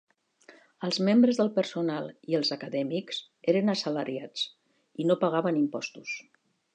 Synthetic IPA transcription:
əlˠzmembɾəzðəlˠpəɾsunalˠiəlˠzəkəðɛmikz̥ | eɾənəsələɾiat͡s | inopəɣaβənimpɔst̪us

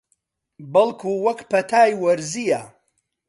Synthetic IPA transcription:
bɐlkʰuːwɐkpɐt̪ʰaːjwɐɾzijɐ

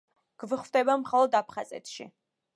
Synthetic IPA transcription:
ɡ̥vɨχvt̪ʼɛbamχalˠɔd̪apʰχazɛ̰t̪ʰʃḭ

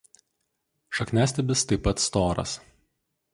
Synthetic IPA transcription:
ʃɐknʲæːsʲt̪ʲɛbʲɪst̪ɐɪpːɐt̪st̪oːɾɐ̰s

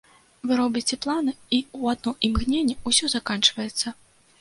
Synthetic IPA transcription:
vɨɾɔbʲit͡sʲɛplˠanɨiuad̪̚nɔʔimɣnʲenʲːɛusʲɔzakant͡ʂvɐjɛt̪sːɐ

